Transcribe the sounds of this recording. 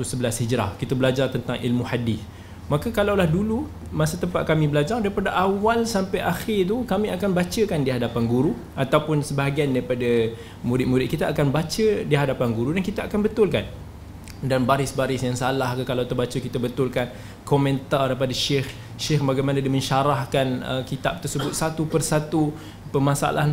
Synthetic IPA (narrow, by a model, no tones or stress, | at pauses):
t̪usəbəlashid͡ʒɾa̰hkit̪abəlad͡ʒart̪ənt̪aŋʔḭlmuhadɪθ | makakalawlahdulu | masat̪əmpa̰t̪̚kamĩbəlad͡ʒardaɾipadaʔawalsampajʔaxɪrt̪̬ukamĩakanbat͡ʃəkandiɦadapanɡuɾu | ʔat̪awpʊnsəbaɦaɡiandaɾipada | muɾɪt̪̚muɾɪt̪̚kit̪aʔːkanbat͡ʃədiɦadapanɡuɾudankit̪aakanbət̪ʊlkan | danbaɾɪsbaɾɪsjaŋsalahkəkalawt̪ərbat͡ʃəkit̪abət̪ʊlkan | komɛ̃nt̪ardap̬adaʃɪx | ʃɪxbaɡajmanadimə̃nʃaɾahkanə̰kit̪ap̚t̪ərsəbʊt̪̚sat̪upərsat̪u | pəmasa̰lʔaɦn